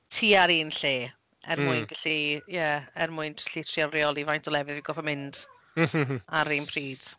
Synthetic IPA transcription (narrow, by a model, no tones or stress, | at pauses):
tʰiːaɾiːnɬeː | ɛ̰rmʊɨnɡ̥ɪɬijɛɛrmʊɨntʰɬitʰriarjɔlˠivajntʰɔlɛvɪðviɡɔfʰəmɪnd̥ | haɾiːnpʰriːd̥